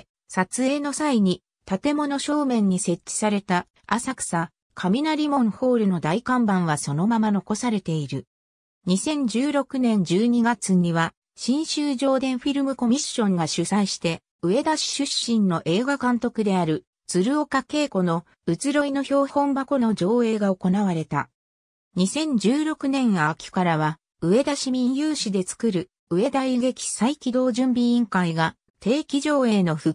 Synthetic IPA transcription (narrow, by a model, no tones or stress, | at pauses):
sat͡sɨe̞ːno̞saiɲ̟i | t̪at̪e̞mo̞no̞ɕo̞ːmẽ̞ɲ̟ːise̞t͡ɕːi̥saɾe̞t̪a | asakɯ̥sa | kʰamʲinaɾʲimõ̞ɴ̃ho̞ːɾɯ̟no̞d̪aikãmbãɰ̃βaso̞no̞mamano̞ko̞saɾe̞t̪e̞iɾɯ̟ | ɲ̟isẽ̞ɲ̟d͡ʑɨːɾo̞kɯ̟nẽ̞ɲ̟d͡ʑɨːɲ̟iɡat͡sɨɲ̟iβa | ɕĩɰ̃ɕɨːʑo̞ːd̪ẽ̞ɰ̃ɸiɾɯ̟mɯ̟ko̞mʲiɕːõ̞ŋɡaɕɨsaiɕi̥t̪e̞ | ɯ̟e̞d̪aɕi̥ɕɨɕːĩnnːo̞ʔe̞ːɡakãnt̪o̞kɯ̟d̪e̞aɾɯ̟ | t͡sɨɾɯ̟o̞kake̞ːko̞no̞ | ɯ̟t͡sɨɾo̞ino̞ço̞ːhõ̞mbako̞no̞d͡ʑo̞ːe̞ːɡao̞ko̞naβaɾe̞t̪a̰ | ɲ̟isẽ̞ɲ̟d͡ʑɨːɾo̞kɯ̟nẽ̞ɰ̃akʲi̥kaɾaβa | ɯ̟e̞d̪aɕimʲĩjɯːɕid̪e̞t͡sɨ̥kɯɾɯ̟ | ɯ̟e̞d̪aiɡe̞kʲi̥saikʲid̪o̞ːʑɨ̃mbʲiĩŋkaiɡa | t̪e̞ːkʲiʑo̞ːe̞ːno̞ɸɯ̟